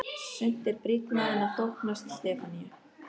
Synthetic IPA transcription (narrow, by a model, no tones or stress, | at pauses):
sʏn̥t̪ɪɾpɾit̪naðɪnat̪ohknast̪st̪ɛːfania